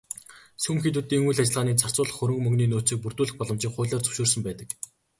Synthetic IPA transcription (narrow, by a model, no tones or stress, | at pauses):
sumxit̪uːt̪iːŋujɮat͡ɕɪ̆ɮʁaːniːt͡sʰar̥t͡sʊːɮə̆χːɵɾɵ̆ŋkmɵŋɡniːnʊːsiːk̚pur̥t̪uːɮɘ̆xpɔɮɞ̆mt͡ɕiːkχʊːɮaːrt͡sʰɵ̥wʃuːrsə̆mpæːt̪ə̆k